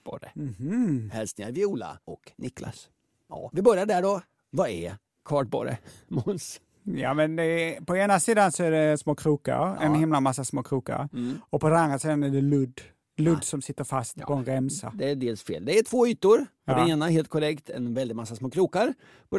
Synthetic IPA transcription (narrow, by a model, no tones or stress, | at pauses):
b̥ɔ̰ɾəhhɛlsnɪa̰ɾvɪuːla̰ʔɔknʔɪkːla̰s | vɪbœɾjaɖæɖɔ | vaɛ̰ɾ | kʰɑːʈbɔ̰ɾə̰mʊns | jɑːmɛnd̪ɛpʰɔeːnasiːd̪ansɔæɖɛsmoːkʰɾuːka̰ɾɛnnɦɪmlamasːasmoːkʰɾuːka̰ɾɔpʰɔd̪ɛnand̪ɾasiːd̪anæɖɛlɵd̪ | lɵd̪ːsɔmsɪt̪ːəɾfast̪ʰɔɛnɾɛmsa̰d̪ɛːɖeːlsfḛːld̪ɛæʈʰv̥oːyːt̪ʊɾ | d̪ɛneːnaɦeːlt̪̚kʰɔɾɛkt̪ʰɛ̰nvɛld̪ɪt̪̚masːasmoːkʰɾuːkaɾ